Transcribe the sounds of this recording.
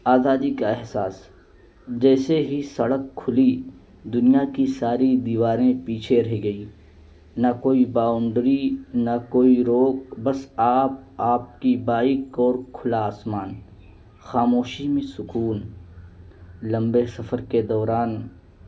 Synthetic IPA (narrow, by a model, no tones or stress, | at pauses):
aːzaːd̪ikaɪɦsaːs | d͡ʒɛːseɦisɐɽəkʰːʊli | d̪ʊnijakisaːɾid̪iːʋaːɾẽpiːt͡ʃʰeɾɐɦiɡɐiː | nakoːibaːʊɳɖɾinakoːiɾoːkbɐsaːp̚aːp̚kibaːɪkɔːɾkʰʊlaːsmaːn | xaːmoːʃimẽsʊkuːn | lɐ̃mbesɐfəɾked̪ɔːɾaːn